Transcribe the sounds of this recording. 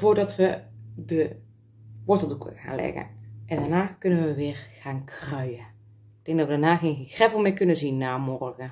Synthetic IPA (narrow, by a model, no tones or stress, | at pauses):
voːrdɔtʋədə | ʋɔtəlˠdukʰə̰ɣa̰ːnlɛ̰ɣə̰ʔɛndaːnaːkønənʋəʋɪːrɣaːnkʰrœɥjə | ɪɡ̚d̥ɛŋɡdɔtʋədaːnaːɣeːnɣeːnkrɛvəl̩ˠmɪkønəzinːaːmɔrɣə